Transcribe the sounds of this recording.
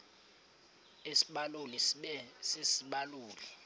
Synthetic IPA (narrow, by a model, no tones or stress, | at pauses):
esiɓaloliɛsesiɓaluːli